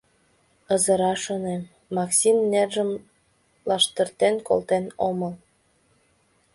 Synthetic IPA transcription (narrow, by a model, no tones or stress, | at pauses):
əzəɾɑʃonem | mɑksʲimnerʒəm | lɑʃt̪ərt̪enko̰lt̪enoməl